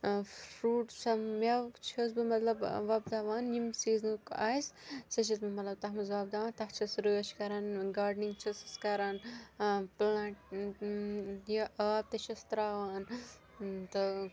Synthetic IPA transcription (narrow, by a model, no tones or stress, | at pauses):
ɾuːʈsɐmmʲɐwt͡ʃʰɐs̬bɨmɐt̪lɐbʋɐbd̪aːʋaːnjimsiːznukaːissɐt͡ʃʰɐsbɨmɐt̪lɐb̚t̪ɐɦmɐzʋaːbd̪aːʋaːnt̪ɐɦt͡ʃʰɐsɾuːɐt͡ʃʰkɐɾaːnɡaːɾɖniŋɡt͡ʃʰɐsɨskɐɾaːn | plaːʈ | jɐʔaːb̚t̪ɐt͡ʃʰɐst̪ɾaːʋaːn | t̪ɨ